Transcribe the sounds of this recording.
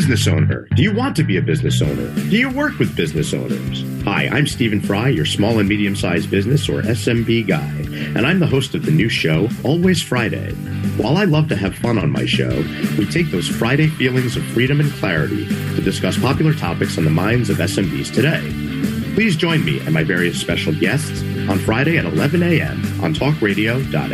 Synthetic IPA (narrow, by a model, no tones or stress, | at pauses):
znɨsõʊ̃nə̰˞d̥ɨjɨwɑ̃ntɨbiɨbɪznɨsõ̰ʊ̃nə̰˞d̥ɨjɨwɜ˞kwɨðbɪznɨsõ̰ʊ̃nə̰˞z̥ | ha̰ɪʔã̰ɪ̃mstiṽn̩fɹaɪjə˞smɔlˠə̃nmiɾiɨ̃msaɪzbɪznɨsə̰˞ʔɛsɛ̃mbiɡa̰ɪ | ɨ̰̃ñãɪ̃mðəɦoʊstʌvðɨnʉʃoʊɔlˠwiz̥fɹaɪɾḛɪ | waɪlˠaɪlʌv̥tɨːv̥fʌ̃nə̰̃nma̰ɪʃo̰ʊ | witʰeɪk̚ðoʊz̥fɹaɪɾeɪfilˠɪ̃ŋzʌv̥fɹiɾɨ̃mɨ̃nkʰl̥æɹɨ̰ɾḭɾɨdɨskʌspʰɑpjl̩ˠə˞tʰɑ̰pɨksn̩ðəmãɪ̃ndzʌvɛsɛ̃mbḭz̥tʰɨɾeɪ | pʰl̥izd͡ʒɔ̃ɪ̃nmḭʔɨ̰̃t̚maɪvɛɹiɨspɛʃl̩ˠɡɛsts | ə̃n̩fɹaɪɾeɪɨɾə̰lɛvɨ̃neɪɛ̰̃mʔə̰̃ntʰɔkɹeɪɾioʊd̥ɑ̰ɾ